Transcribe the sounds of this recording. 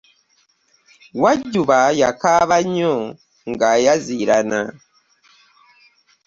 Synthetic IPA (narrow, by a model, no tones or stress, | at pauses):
waɟuβajakaβaɲɔ | ŋɡajaziɾana̰